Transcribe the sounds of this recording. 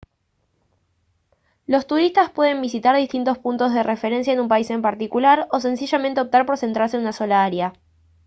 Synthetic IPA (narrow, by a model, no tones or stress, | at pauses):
lo̞st̪uɾist̪aspwe̞ð̞e̞mbisit̪aɾð̞ist̪int̪o̞spunt̪o̞zðe̞rʔefe̞ɾe̞ns̬jaenumpaise̞mpaɾt̪ikulaɾo̞s̬e̞nsiʒamẽnt̪e̞op̚t̪aɾpo̞ɾsent̪ɾaɾs̬enunaso̞laaɾja